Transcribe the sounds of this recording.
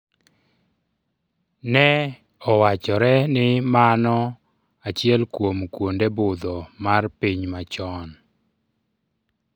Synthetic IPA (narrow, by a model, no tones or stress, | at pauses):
nɛ | ɔwat͡ʃɔɾɛnɪmanɔ | at͡ʃɪɛlkwomkwondebʊd̪ɔmarpiɲmat͡ʃɔn